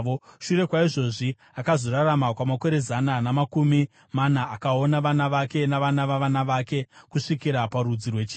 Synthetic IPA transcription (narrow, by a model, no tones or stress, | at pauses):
oʃure̞kwaiʐo̞ʐi | akazo̞ɾaramakwamako̞ɾe̞zananamakumi | manaakao̞naʋanaʋake̞naʋanaʋaʋanaʋake̞kuʂikiɾapaɾud͡zirwe̞t͡ʃiː